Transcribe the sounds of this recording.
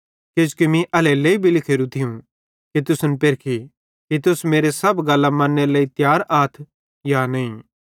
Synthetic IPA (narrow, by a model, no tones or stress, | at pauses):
kɪd͡ʒkimĩʔɐleleːibʱilɪkʰeːɾũt̪ʰɪjũ | kit̪ʊsnpɪɾkʰi | kit̪̬ʊsmeːɾesɐbɡɐlːamɐ̃nːelɐːit̪jaːɾaːt̪ʰ | janɐĩː